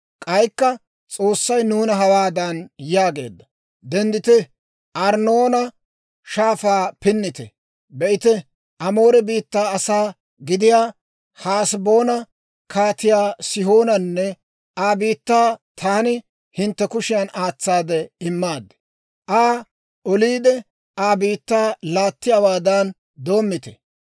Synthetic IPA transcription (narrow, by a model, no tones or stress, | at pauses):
kʼɐjkːɐ | t͡sʼo̞ːsːɐjnuːnɐɦɐwaːd̪ɐnjaːɡe̞̰ːd̪ːɐ | d̪ɛnd̪ɪt̪ɪ | ʔɐɾnoːnɐ | ʃaːfaːpɪnːɪt̪ɛ̰ | bɛʔɪt̪ɛ | ʔɐmo̞ːɾɛbiːt̪ːaːɐsaː | ɡɪd̪ɪjaː | haːsbo̞ːnɐ | kʰaːt̪ɪjaːsɪho̞ːnɐnːɛ | ʔaːbiːt̪ːaːt̪ʰaːnɪ | hɪnt̪ːɛkʊʃɪjɐnaːt͡sːaːd̪ɛɪmːaːd̪ | ʔaː | ɔliːd̪ɛ | aːbiːt̪ːaːlaːt̪ːɪjawaːd̪an | d̪o̞ːmːɪt̪ɛ̰